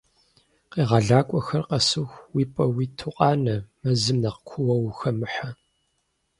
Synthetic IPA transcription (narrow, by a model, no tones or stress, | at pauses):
qiːʁɑɮaːkʷʼɔxɐrqɐsɨxʷwiːpʼɐwiːtʰɨqʼɑːnɐmɐzɨmnɐqkʷʰʊwɐwxɐmɨħɐ